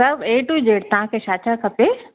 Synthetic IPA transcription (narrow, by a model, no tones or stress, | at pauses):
ɐbeːʈuid͡ʒeːɽt̪ɐʋ̤ãkʰeʃaːt͡ʃakʰɐpe